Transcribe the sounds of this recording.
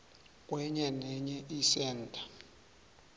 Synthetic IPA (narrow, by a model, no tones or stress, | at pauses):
k̬ʼwɛɲɛnɛɲɛʔisɛːndʱḁ